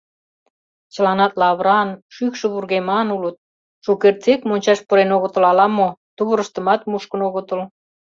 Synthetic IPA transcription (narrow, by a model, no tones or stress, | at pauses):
t͡ɕə̆lɑnɑt̪lɑβɾɑnʃykʃə̆βurɣemɑnulət̪̚ | ʃukert͡sekmonʲt͡ɕɑʃpəɾenoɣə̆t̪ə̆lɑlɑmot̪uβəɾəʃt̪ə̆mɑt̪muʃkə̆noɣət̪əl